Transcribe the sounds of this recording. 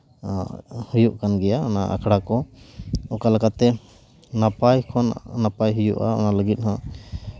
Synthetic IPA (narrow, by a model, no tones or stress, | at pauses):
hujuʔkanɡɛjaɔnaʔa̰kʰɽakɔ | ɔkalakat̪ːɛ | napajkʰɔnnapajɦujṵʔa̰ɔ̰naləɡit̪̚ˀhɔ̃